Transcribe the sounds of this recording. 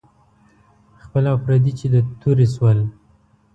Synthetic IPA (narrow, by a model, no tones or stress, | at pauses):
xpəlaafɾad̪it͡ʃed̪ət̪ʰuɾeswəl